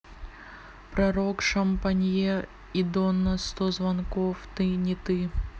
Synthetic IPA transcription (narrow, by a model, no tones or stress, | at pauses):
pɾɐɾokʂɐmpɐnʲjɛ | id̪onːɐst̪ozvɐnkoft̪ɨnʲɪt̪ɨ